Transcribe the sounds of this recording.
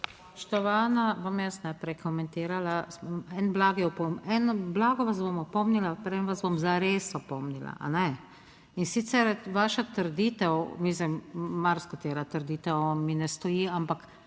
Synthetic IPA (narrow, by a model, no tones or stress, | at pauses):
pʃt̪oʋaːnabomjasnajpɾɛjkomɛnt̪iːɾalasbomɛnblaːɡijɛɔpomɛnblaːɡɔʋas̬bomɔpɔmnilapəɾʋɛmʋasbomzaɾeːst̪ɔpomnila̰ʔa̰nɛ | insiːt̪sɛɾʋaːʃat̪ɾd̪iːt̪ɛwmislimmaɾskot̪eːɾat̪ɾd̪iːt̪ɛwminɛst̪ɔjiːampak